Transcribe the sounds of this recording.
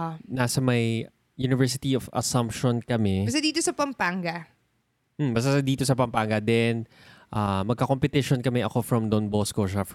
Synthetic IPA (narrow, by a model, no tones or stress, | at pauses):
nasɐmɐj | junɪvɛɹs̬ɪt̪iofɐ̰sɐmpʃonkɐmɛbɐs̬t̪ad̪iːt̪osɐpɐmpaŋɡɐ | m̩bɐs̬t̪asɐd̪iːt̪o̞sɐpɐmpaŋɡɐd̪ɛn | ʔaːmɐɡ̚kɐkompɛt̪ɪʃonkɐmɛʔɐko̞fɹɐmd̪onboːskoʃaf